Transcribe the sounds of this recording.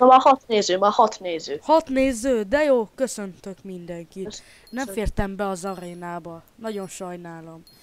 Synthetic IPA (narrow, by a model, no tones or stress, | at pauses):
ɒmɒhɒt̪neːzøːmɒhɒt̪neːzøːhɒt̪neːzøːd̪ɛjoːkø̞sø̞nt̪økmind̪ɛŋkit̪ | nɛɱffeːrt̪ɛmbɛɒzɒɾeːnaːbɒnɒɟo̞nʃɒjnaːlo̞m